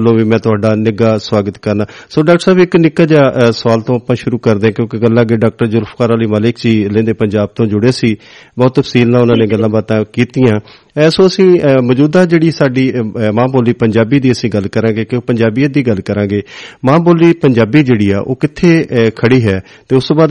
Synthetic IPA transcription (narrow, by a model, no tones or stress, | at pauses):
lːõːʋiːmɛ̃ːt̪ʊaːɖaːnɪɡaːsʋaːɡət̪kəɾnaː | soːɖaːkʈəɾsaːbɪknɪkːaːd͡ʒaːsəʋaːlt̪õːapãːʃʊɾuːkəɾd̪eːãːkjõːkeɡəlːãːɡeːɖaːk̚ʈəɾd͡ʒʊɾpʰkaːɾaːliːmaːlɪkd͡ʒiːlẽːnd̪eːpəɲd͡ʒaːb̚t̪õːd͡ʒʊɽeːsiː | bɔːt̪ːəpʰsiːlnãːʊnãːneːɡəlːãːbaːt̪ãːkiːt̪ijãː | soːəsĩːməd͡ʒuːd̪aːd͡ʒeːɽiːsaːɖiːmãːboːlːiːpəɲd͡ʒaːbiːd̪iːəsĩːɡəlkəɾãːɡeːkɪoːpəɲd͡ʒaːbiːad̪iːɡəlkəɾãːɡeːmãːboːliːpəɲd͡ʒaːbiːd͡ʒeːɽiːa̰ːʔoːkɪt̪ʰːeːkʰəɽiːɦɛː | t̪eːʊst̪õːbaːd̪